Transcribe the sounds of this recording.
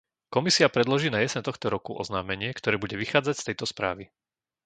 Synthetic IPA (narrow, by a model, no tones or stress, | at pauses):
kɔmisiapɾɛd̪lɔʒiːnajɛsɛnt̪ɔxt̪ɔɾɔkuʔɔ̰znaːmɛɲɪɛkt̪ɔɾɛːbuɟɛʋixaːd͡zacst̪ɛjt̪ɔspɾa̰ːʋi